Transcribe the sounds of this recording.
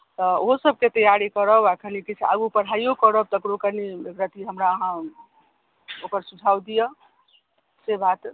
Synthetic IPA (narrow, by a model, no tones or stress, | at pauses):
t̪ɔoɦosəb̚ket̪əjaɾikəɾəbakʰənikit͡ʃʰa̰ɡupəɽ̤aijokəɾəb̚t̪əkɾokəniɡɾət̪iɦəmɾaəɦã | okəɾsud͡ʒʰʱawd̪ije | sebat̪